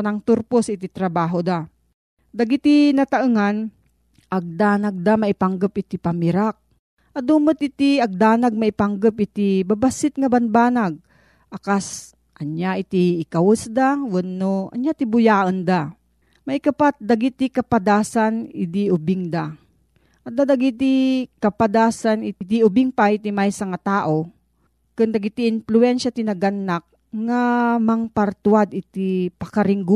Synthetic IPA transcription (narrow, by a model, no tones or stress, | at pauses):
naŋt̪uɾposɪt̪it̪ɾɐbaːɦod̪a | d̪aɡit̪inɐt̪aʔɨŋan | ʔaɡ̚d̪aːnaɡ̚d̪amaʔɪpaŋɡəpɪt̪ipamɪɾak̚ | ʔɐd̪umɨt̪ɪt̪iɐɡ̚d̪aːnaɡ̚maipaŋɡəpɪt̪ibabasɪt̪̚ŋɐbanbaːnaɡ̚ | ʔakas | ʔɐɲjaɪt̪iːkawəsd̪awənːoʔɐ̰ɲjat̪ibʊjaːʔond̪a | mɐjkɐpat̪̚d̪ɐɡɪt̪ɪkɐpad̪aːsanɪd̪iʔʊbɪŋd̪a | ʔt̪̚d̪ad̪aɡit̪ikɐpad̪aːsanɪɪd̪iʊbɪŋpaɪt̪imajsɐŋat̪aːʔo̞ | kʊnd̪aɡit̪iɪnflʊɛnʃat̪ɪnɐɡanːak̚ | ŋamɐŋpɐɾt̪wad̪ɪt̪ipɐkɐɾɪŋɡu